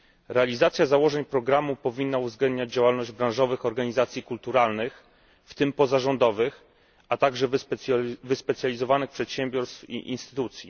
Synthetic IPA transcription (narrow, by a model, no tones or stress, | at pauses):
ɾɛalʲizat̪sʲjazawɔʐɛɲpɾɔɡɾamupɔvʲinːauvzɡlɛnd̪ɲad͡ʑd͡ʑawalnɔʑd͡ʑbɾãw̃ʐɔvɘxɔɾɡaɲizat̪sʲjikult̪uɾalnɘx | ft̪ɘmpɔzaʐɔnd̪ɔvɘx | at̪aɡʐɛvvɘspɛt̪sʲjalʲizɔvanɘxpʂɛt̪ɕɛmbʲjɔɾst̪fḭʔinst̪ɘ̥t̪ut̪sʲjḭ